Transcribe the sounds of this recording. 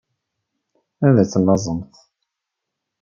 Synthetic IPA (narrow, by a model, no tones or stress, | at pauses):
æðæt͡sːəlːɑzˤəmθ